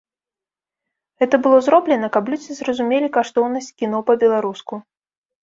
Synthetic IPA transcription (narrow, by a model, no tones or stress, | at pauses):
ɣɛt̪ɐbɨlˠɔzɾɔblʲɛnɐkaplʲud͡zʲizrɐzumʲelʲikaʂt̪ɔwnɐsʲt͡sʲkʲinɔpɐbʲɛlˠaɾusku